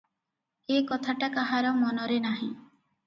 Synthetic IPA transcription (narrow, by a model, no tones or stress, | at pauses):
ekɔt̪ʰaʈakaɦaɾɔmɔnɔɾenaɦĩ